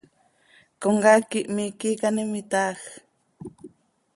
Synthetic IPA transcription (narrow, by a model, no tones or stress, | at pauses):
koŋɡakiʔmikikanimit̪ax